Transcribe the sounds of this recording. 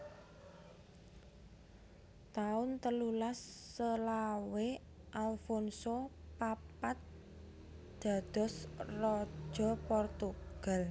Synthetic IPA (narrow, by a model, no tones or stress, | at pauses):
t̪aʊnt̪əlulasːəlawe | ʔalfɔnsopapat̪̚ | d̪̥a̤d̪̥ɔ̤srɔ̥ʒ̥ɔ̤pɔrt̪uɡ̥a̤l